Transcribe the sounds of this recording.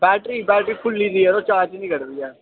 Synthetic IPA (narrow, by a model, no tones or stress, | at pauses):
bɛːʈɾiːbɛːʈɾiːpʰʊlːiːziɛːd̪oːt͡ʃaːt͡ʃnĩːkəɾd̪iːɛː